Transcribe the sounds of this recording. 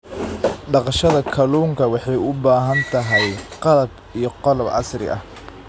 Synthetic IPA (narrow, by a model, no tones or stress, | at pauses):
ɖɑqɑʃɐðɐkʰɐluːŋkʰɐwɑħɑjʊbaːɦɐnt̪ʰɐɦɛjqɑlɐb | ijɞqɑlɐbʕɑ̰srɪ̰ʔɐ̰h